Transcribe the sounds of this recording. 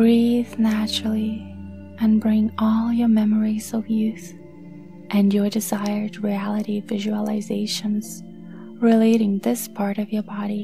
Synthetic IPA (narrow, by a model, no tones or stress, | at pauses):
ɡ̥ɹiðnæt͡ʃɹl̩ˠi | ʔɨ̃nbɹɪ̃ŋɔlˠjə˞mɛmə˞iz̥ʌvjʉθ | ʔɨ̃njə˞dɨzaɪə˞d̚ɹiælˠəɾivɪʒɨəlˠɪzeɪʃɨ̃nz̥ | ɹɪleɪɾɪ̃ŋðɪspʰɑɹɾʌvjə˞bɑɾi